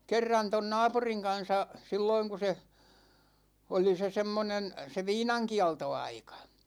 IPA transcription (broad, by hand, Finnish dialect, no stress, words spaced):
kerːɑn ton nɑːpuriŋ kɑn̞sɑ silːoiŋ ku se oli se semːonen se ʋiːnɑŋkiɑltoɑikɑ